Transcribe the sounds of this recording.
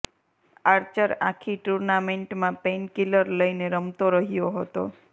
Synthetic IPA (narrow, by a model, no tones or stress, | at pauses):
aɾt͡ʃəɾakʰiʈuɾnameɳʈmãpenkiləɾləineɾəmt̪oɾəɦijoɦət̪o̰